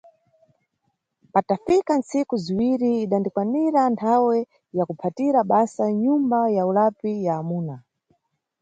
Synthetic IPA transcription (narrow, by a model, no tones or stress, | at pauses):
patafikansikuziwiɾiːɗandikwaniɾantʰawɛ | jakupʰatiɾaɓasaɲumbajaulapijaːmuːna